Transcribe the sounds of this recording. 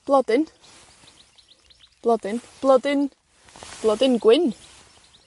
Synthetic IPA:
b̥lɑd̪ɪn | b̥lɑd̪ɪnb̥lɑd̪ɪn | b̥lɑd̪ɪnɡwɪn

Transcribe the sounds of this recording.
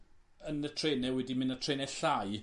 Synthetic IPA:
ənətʰreːnɛwɛdimɪnətʰreːnɛɬaj

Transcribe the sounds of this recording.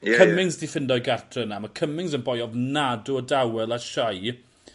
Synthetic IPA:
kʰəmɪŋzdifɪndɔjɡartʰrənamakʰəmɪŋzənbɔjɔvnadʊdawɛlˠaʃaj

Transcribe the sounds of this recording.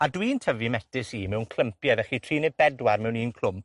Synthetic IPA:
adwiːntʰəvimɛtɪsiːmɛwnkʰl̥ˠəmpjaðɛχitʰriːnɛbɛdwarmɛwniːnkʰl̥ˠʊm

